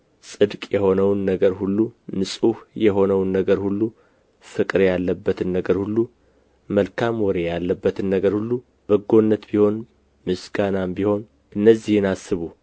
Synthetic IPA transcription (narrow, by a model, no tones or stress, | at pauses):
sʼɨd̪kʼjɛho̞nəwnːəɡəɾhulːumɨsʼuhjɛɦo̞nəwnːəɡəɾhulːu | fɨkʼɨɾjalːəbːət̪ʰɨnːəɡəɾhulːu | məlkʰamwɔɾejalːəbːət̪ʰɨnːəɡəɾhulːu | b̥əɡo̞nːət̪biho̞n | mɨsɡanambiho̞n | ʔɨnːəzːihɪnasːɨβu